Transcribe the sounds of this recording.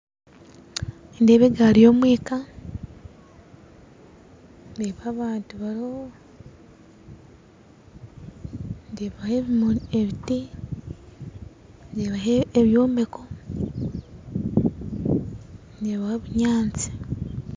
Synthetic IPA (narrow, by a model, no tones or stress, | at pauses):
ndeβeɡaɾijo̞ːmwiːka | ndeβaːβaːntuβaɾo | ndeːβaheβmeβiti | ndeːβaɦeeβjoːmbeko | ndeβahoβuɲaːnt͡si̥